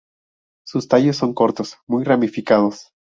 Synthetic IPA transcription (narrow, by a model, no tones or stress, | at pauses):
sust̪aʝosːo̞ŋko̞ɾt̪o̞smujramifikað̞os